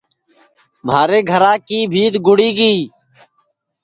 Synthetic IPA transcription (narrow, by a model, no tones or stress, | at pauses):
m̤aːɾeːɡʱəɾãːkiːbʱiːd̪ɡʊɽiːɡiː